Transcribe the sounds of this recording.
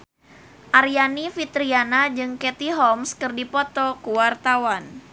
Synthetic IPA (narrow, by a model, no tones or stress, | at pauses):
ʔarjanifit̪ɾianad͡ʒɨŋkɛt̪iɦɔmskɨrdipɔt̪ɔkuwart̪awan